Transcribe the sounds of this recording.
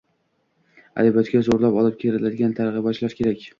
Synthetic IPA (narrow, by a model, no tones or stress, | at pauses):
a̰d̪ɪbɒt̪kʲazoɾlapɒlˠɪp̚kʲʰeɾɪlad̪ɪɡʲant̪ʰaɾʁɨbɒt͡ʃlaɾkʲʰe̞ɾakʲ